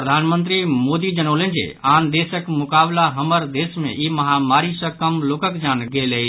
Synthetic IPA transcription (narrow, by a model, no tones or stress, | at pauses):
pɾəd̪ʱanmənt̪ɾimod̪id͡ʒənəʋlẽnd͡ʒḛand̪esəkmʊkablaɦəməɾd̪esmḛʔiməɦamaɾisə̃kəmlokəkd͡ʒanɡeleɦi